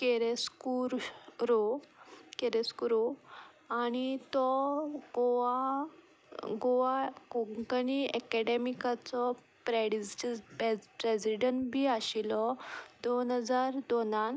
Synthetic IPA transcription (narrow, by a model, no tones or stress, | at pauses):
keɾeskuɾɾo | keɾeskuɾo | añit̪ɔɡoʋa | ɡoʋakɔŋɡəniɛkɛɖemikat͡sɔ | pɾɛɖ | pɾesiɖəɳʈbʱiːaɕilɔd̪onɦəd͡zaɾd̪onan